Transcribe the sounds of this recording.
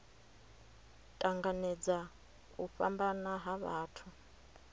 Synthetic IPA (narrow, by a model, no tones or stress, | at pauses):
tʼaŋɡanɛd͡za | kʼuɸambanaɦaβaːtʰu